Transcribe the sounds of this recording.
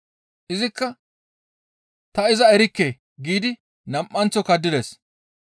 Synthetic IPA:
ʔɪzɪkːɐ | t̪ɐɪzɐɛɾɪkːeː | ɡiːd̪ɪ | nɐmʔʼːɐnt͡sːɔkɐd̪ːɪd̪es

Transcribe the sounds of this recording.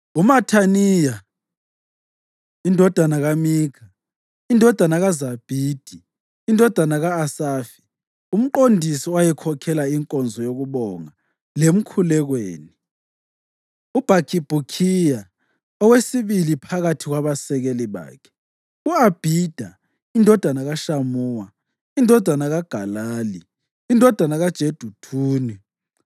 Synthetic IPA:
umatʰaniːja | indʱɔd̥ʱanaɣamiːkʰa | indʱɔd̥ʱanaɣazab̥ʱiːd̥ʱiː | ndʱɔd̥ʱanaɣaːsaːfi̥ | um̩ǃondʱisiwajɛkʰɔkʰɛlaiŋkʼɔnd͡zʱɔjoɣuβɔŋa | lem̩kʰulɛɣwḛːni | ub̥ʱakʰib̥ʱukʰija | ɔwesiβilipʰaɣatʰiɣwaβasɛɣeliβa̰ːkʰɛ̥ | uab̥ʱid̥ʱa | indʱɔd̥ʱanaɣaʃamuːwa | indʱɔd̥ʱanaɣaɡ̥ʱalaːliː | ndʱɔd̥ʱanaɣad̥ʒ̥ʱed̥ʱutʰuːni

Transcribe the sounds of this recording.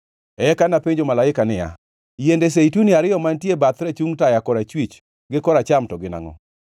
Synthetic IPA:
ɛkanapeɲd͡ʒomalaɪkanɪja̰ | jendes̬eituniaɾɪjɔmantjebat̪ɾɛt͡ʃuŋtajakɔɾat͡ʃwit͡ʃ | ɡɪkɔɾat͡ʃamtɔɡɪna̰ŋɔ̰

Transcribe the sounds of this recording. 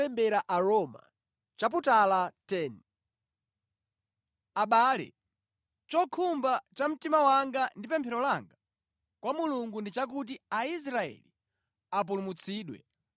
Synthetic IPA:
ɛmbɛɾaʔaɾɔma̰ | t͡ʃap̬utalatɛn | aɓaːlɛ̰ | t͡ʃɔkʰumbat͡ʃam̩timawaŋɡandipɛmpʰɛɾɔlaŋɡa | kwamuluŋɡundit͡ʃak̬ut̬iais̬ɾaɛ̰li | ap̬ulumut͡sʰiːɗwɛ̰

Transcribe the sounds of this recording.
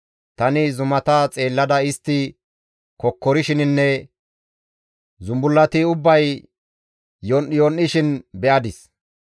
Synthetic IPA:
t̪ɐnɪzʊmɐt̪ɐt͡sʼe̞ːlːɐd̪ɐɪst̪ːɪ | kɔkːɔɾɪʃɪnɪnːɛ | zʊmbʊlːɐt̪ɪʊbːɐj | jɔnʔɪjonːɪʃɪnbɛʔɐd̪ɪs

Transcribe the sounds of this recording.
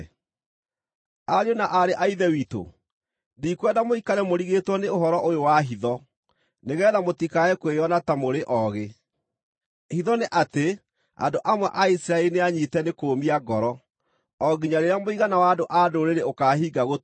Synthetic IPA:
aɾeonaʔaɾeʔaiðɛwiːto̰ | diːkwɛdamoikaɾɛmoɾiɣetwɔneoɦɔɾɔʔojowaɦiðɔ | neɣɛːðamotikaɛkwejɔnatamoɾeʔɔɣe | hiðɔneʔate | a̰ndoʔamwɛ̰ʔaisiɾaɛineaɲitɛnekoːmiaɡɔɾɔ | ɔɡiɲaɾeɾeamoiɣanawaːdoʔadoɾeɾeokaːɦiːɡaɣo

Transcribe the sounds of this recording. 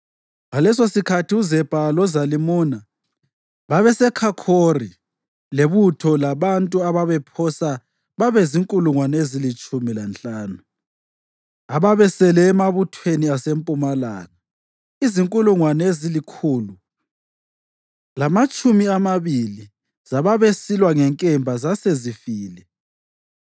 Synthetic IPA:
ŋalɛs̬osikʰatʰiuzɛpalɔzalimuːna | βaβɛsɛkʰakʰori | leβutʰɔlaβantʼuaβaβɛpʰɔsa | βaβɛziŋkʼuluŋwanezilit͡ʃʼumilant͡ɬʼaːnu | aβaβɛsɛlɛːmaβutʰweniasempʼumala̰ːɣa | iziŋkʼuluŋwanezilikʰuːlu | lamat͡ʃʼumiamaβili | zaβaβesilwaŋɛŋkʼɛmbʱazasezifiːlɛ

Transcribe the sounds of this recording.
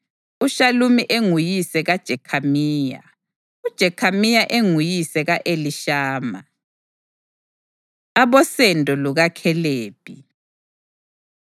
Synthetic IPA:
uʃalumiʔeŋujisɛɣad̥ʒ̥ʱɛkʰamiːja̰ | ud̥ʒ̥ʱɛkʰamijaʔeŋujisɛɣaʔeliʃaːma̰ | aβɔsɛndʱʼɔluɣakʰɛleːpʰʼi

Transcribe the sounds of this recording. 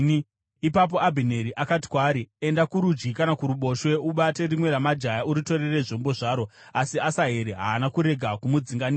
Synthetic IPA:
i | ipap̬o̞ʔabʱine̞ɾiʔakati̥kwaːɾie̞ndakuɾud͡ʒɡikanakuɾuɓo̞ʃwe̞uɓate̞rimwe̞ɾamad͡ʒajauɾito̞ɾereʐo̞mboʐaːɾo̞asiasaɦeɾeɦaːnakuɾe̞ɡʱakumud͡ziŋɡaniː

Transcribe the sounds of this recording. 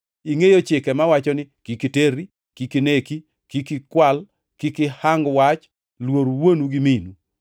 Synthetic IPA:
iŋejot͡ʃɪkɛmawat͡ʃɔnɪkikiteɾi | kikineki | kikɪkwal | kikɪhaŋɡwat͡ʃ | lwoɾwonuɡɪminu

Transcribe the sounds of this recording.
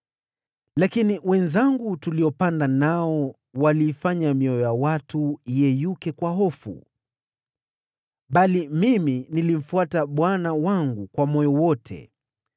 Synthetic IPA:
lakiniwɛnzaŋɡutuliɔpandanaɔ | waliːfaɲamiɔjɔjawatuijɛjukɛkwaɦɔfṵ | ɓalimiminilim̩fuataɓwanawaŋɡukwamɔjɔwɔtʰɛ̰

